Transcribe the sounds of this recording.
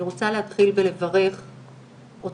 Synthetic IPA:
iʁot͡saleɦat̪χilvele̞vaʁe̞χ | ʔot

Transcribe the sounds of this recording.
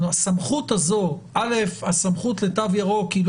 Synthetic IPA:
uasamχut̪hazo̞ʔale̞fasamχut̪let̪avjaʁokil

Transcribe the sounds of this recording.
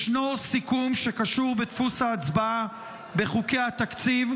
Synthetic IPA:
ʃnosikumʃe̞kaʃuʁbet̪fusaːt͡sbaa | be̞χuke̞jat̪akt͡siv

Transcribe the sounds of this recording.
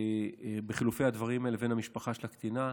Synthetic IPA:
beχilufe̞jhad̪vaʁimaeleve̞nhamiʃpaχaʃelakt̪ina

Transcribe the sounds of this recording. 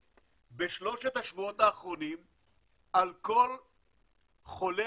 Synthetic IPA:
beʃlo̞ʃet̪aʃvuot̪aːχʁo̞nim | ʔalko̞l | χo̞le

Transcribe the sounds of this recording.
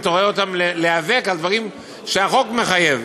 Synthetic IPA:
t̪oʁeot̪amleleave̞kald̪vaʁim | ʃeaχo̞kme̞χaje̞v

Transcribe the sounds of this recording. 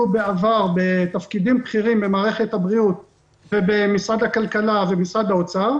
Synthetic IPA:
ubeavaʁbe̞t̪afkidimpχiʁimbemaːʁe̞χe̞t̪habʁiut̪̚ | vebemisʁad̪hakalkalavemisʁad̪aot͡sa

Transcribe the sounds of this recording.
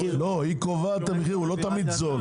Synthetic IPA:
lohikovat̪ameχiʁulot̪amid̪zol

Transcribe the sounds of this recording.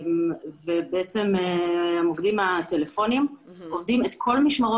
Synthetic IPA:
mvebeet͡se̞meamoɡd̪imat̪elefo̞nim | ovd̪imet̪kʰo̞lmiʃmaʁo

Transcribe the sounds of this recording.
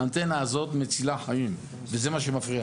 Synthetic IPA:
ant̪enaːzo̞t̪met͡silaħajim | veze̞maʃemafʁi

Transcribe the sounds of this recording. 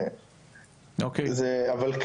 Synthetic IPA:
okezɛavɐlk

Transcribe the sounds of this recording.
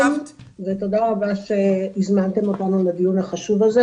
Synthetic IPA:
a | vet̪od̪aʁabaʃe̞izmant̪e̞mo̞t̪anulad̪ijunhaχaʃuvaze

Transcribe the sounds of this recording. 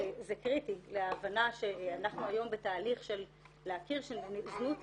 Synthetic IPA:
zekʁitileaːvanaʃe̞anaχnuajo̞mbetaːliχʃe̞lː | eakiʁʃeznut

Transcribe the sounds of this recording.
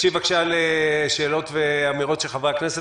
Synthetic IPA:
ʃivakʃaleʃeːlo̞tveamiʁo̞tʃeχavaknese

